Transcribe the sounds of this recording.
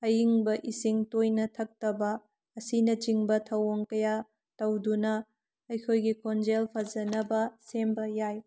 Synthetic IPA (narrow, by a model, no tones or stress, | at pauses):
ɐjiŋbɐʔisiŋtojnɐtʰɐk̚tɐbɐː | sinɐd͡ʒiŋbɐtʰɐwoŋkɐja | tɐwdunɐː | jkʰojɡikʰond͡ʒelpʰɐzɐnɐbɐsembɐjaj